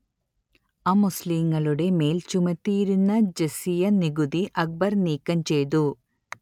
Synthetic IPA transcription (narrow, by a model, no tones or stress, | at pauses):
ɐmusliːŋɡɐɭuɽe̞me̞ːlt͡ʃumɐt̪ːiːɾunːɐd͡ʒɐsijɐniɡud̪iʔɐk̚bɐɾniːkːɐmt͡ʃejd̪u